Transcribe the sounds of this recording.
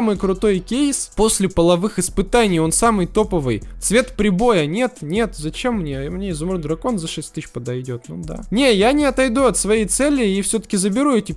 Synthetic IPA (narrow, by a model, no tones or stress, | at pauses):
amɨjkɾʊt̪o̞jkʲejspo̞sʲlʲɪpəlˠɐvɨxɨspɨt̪anʲɪjo̞nsamɨjt̪o̞pəvɨjt̪svʲe̞t̪pɾʲɪbo̞jənʲe̞t̪nʲe̞t̪zɐt͡ɕemːnʲemnʲeɪzʊmɾɨd̪ɾɐko̞nzɐʂɛsʲtʲt̪ɨɕpəd̪ɐjdʲo̞t̪nṵd̪a̰nʲe̞janʲɪɐt̪ɐjd̪uɐt̪svɐjejt̪sɛlʲɪifsʲɵt̪ə̥kʲɪzəbʲɪɾuɛtʲɪ